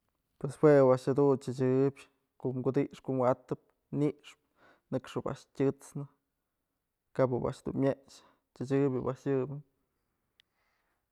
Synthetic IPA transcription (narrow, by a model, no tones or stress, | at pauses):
pweswewaʔʂhad̪unt͡ʃɨt͡ʃɨbʲ | koʔmɡud̪iʔʂkoʔmwat̪ɨp̚ | niʔʂp | nɨkʂɨba̰ʔʂtʲɨt͡snɨ | kabɨba̰ʔʂd̪ṵnmʲjeʃ | t͡ʃɨt͡ʃɨbʲɨbaʔʂjɨbɨn